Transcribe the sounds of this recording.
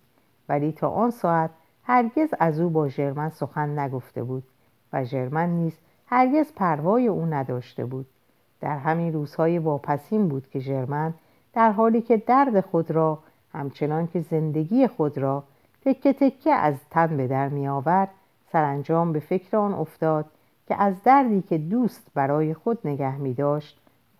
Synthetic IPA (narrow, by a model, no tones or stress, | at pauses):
væliːt̪ʰɒ̰ːʔɒːnsɒːæt̪ | hæɾɟe̞zæzuːbɒːʒe̞ɾmænso̞xænːæɡo̞ft̪e̞̰buːd̪̥̚ | væʒe̞ɾmænːiːz̥ | hæɾɟe̞zpʰæɾvɒːje̞ʔuːnæd̪ɒːʃt̪ḛbuːd̪̥̚ | d̪̥æɾɦæmiːnruːz̥hɒːje̞vɒːpʰæsiːmbuːd̪̥cʰe̞ʒe̞ɾmæn | d̪̥æɾɦɒːliːcʰe̞d̪æɾd̪e̞xo̞d̪ɾɒː | hæmt͡ʃʰe̞nɒːncʰe̞ze̞nd̪e̞ɡiːjexod̪ɾɒː | t̪ʰe̞kʰːe̞t̪ʰe̞cʰːeʔæ̰zt̪ʰænbe̞d̪æɾmijɒːvæɾd̪̥ | sæɾænd͡ʒɒːmbe̞fe̞cʰɾeɒːnʔo̞ft̪ɒːd̪̥̚ | cʲʰeʔæzd̪æɾd̪iːcʰe̞d̪uːst̪bæɾɒːje̞xo̞d̪̚ne̞ɡæhmiːd̪ɒːʃt̪